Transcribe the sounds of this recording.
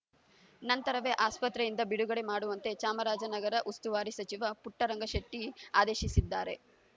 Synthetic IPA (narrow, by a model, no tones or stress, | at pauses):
nɐnt̪ɐɾɐʋeʔaːspɐt̪ːɾejind̪ɐbiɽuɡɐɽe̞maːɽuʋɐnt̪e̞t͡ʃaːmɐɾaːd͡ʒɐnɐɡɐɾɐʔust̪uʋaːɾisɐt͡ʃiʋɐpuʈːɐɾɐŋɡɐʃɐʈːiaːd̪eːʃisid̪ːaːɾe̞